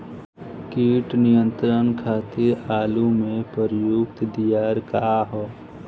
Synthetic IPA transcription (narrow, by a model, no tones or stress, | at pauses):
kiːʈnijə̃nt̪ɾənkʰaːt̪ɪɾaːlumẽpəɾjʊk̚t̪d̪ijaːɾkaɦɔː